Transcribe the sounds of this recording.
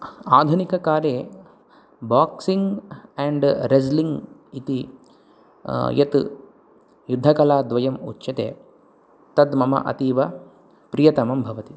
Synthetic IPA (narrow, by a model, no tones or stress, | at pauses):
aːd̪ʱunikɐkaːɾjeː | baːksiŋɡɛɳɖɾesliŋɡit̪i | jɐt̪ | jud̪ʱːɐkɐlaːd̪ʋɐjɐmutːʃɐt̪ḛː | t̪ɐd̪mɐmɐ̰ʔɐ̰t̪iːʋɐ | pɾijɐt̪ɐmɐmbʱɐʋɐt̪i